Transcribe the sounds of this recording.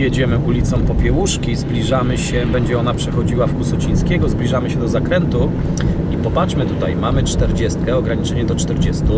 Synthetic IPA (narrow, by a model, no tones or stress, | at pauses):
jɛd͡ʑɛmɘʔulʲit̪sɔ̃w̃pɔpʲjɛwuʂkʲizblʲiʐamɘɕɛbɛɲd͡ʑɛɔnapʂɛxɔd͡ʑiwafkusɔt͡ɕij̃skʲɛɡɔzblʲiʐamɘɕɛd̪ɔzakɾɛnt̪u | ipɔpat͡ʂmɘt̪ut̪ajmamɘt͡ʂt̪ɛɾd͡ʑɛst̪kɛɔɡɾaɲit͡ʂɛɲɛd̪ɔt͡ʂt̪ɛɾd͡ʑɛst̪u